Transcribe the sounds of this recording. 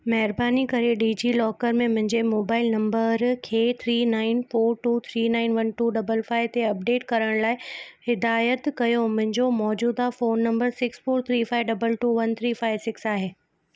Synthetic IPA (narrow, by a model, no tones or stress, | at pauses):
mɐɦɪɾbaːnikɐɾeɖiːd͡ʑilɔːkəɾmẽmʊ̃ɦɪ̃ɲd͡ʑemoːbaːɪlnɐ̃mbəɾkʰeːt̪ʰɾiːnaːɪnfoːɾʈuːt̪ʰɾiːnãːɪnʋɐnʈuːɖɐbəlfaːɪʋt̪eɐp̚ɖeːʈkɐɾəɽ̃laːɪhɪd̪aːjət̪kɐjomʊ̃ɦɪ̃ɲd͡ʑomɔːd͡ʑuːd̪afoːnːɐ̃mbəɾsɪksfoːɾt̪ʰɾiːfaːɪʋɖɐbəlʈuːʋɐnt̪ʰɾiːfaːɪʋsɪksaːɦeː